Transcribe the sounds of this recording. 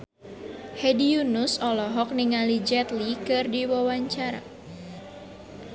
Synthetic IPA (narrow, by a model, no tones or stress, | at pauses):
hɛdiunusɔlɔɦɔk̚niŋalid͡ʒɛt̪likɨrdiwawaɲt͡ʃaɾa̰